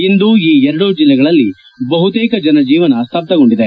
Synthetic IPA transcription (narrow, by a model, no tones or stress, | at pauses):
ind̪uiːɛɾɐɽud͡ʒilːɛɡɐɭɐlːi | bɐɦut̪eːkɐd͡ʒɐnɐd͡ʒiːʋɐnɐst̪ʰɐb̚t̪ɐɡoɳɖid̪e